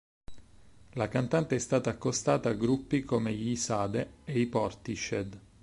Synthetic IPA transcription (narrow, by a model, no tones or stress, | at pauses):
lakant̪ant̪eɛst̪aːt̪aːkːost̪aːt̪aːɡɾupːikomeʎisaːd̪eeipɔrt̪it͡ʃed̪